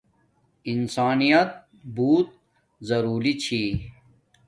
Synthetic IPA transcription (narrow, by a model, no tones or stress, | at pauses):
insaːnijɐt̪̚ | buːt̪̚ | zɐɾuːlit͡ɕʰiː